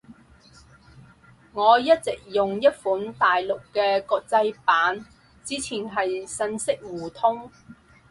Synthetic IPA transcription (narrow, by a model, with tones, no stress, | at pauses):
ŋɔː˨˧jɐ˥t̚t͡sɪ˨k̚jʊ˨ŋjɐ˥t̚fuː˨˥nt̪aː˨jlʊ˨kːɛː˧kɔː˧k̚t͡sɐ˧jpaː˨˥n | t͡siː˨˧˥t͡sʰiː˨˩nɦɐ˨jsɐ˧nsɪ˥k̚wuː˨˩t̪ʰʊ˥ŋ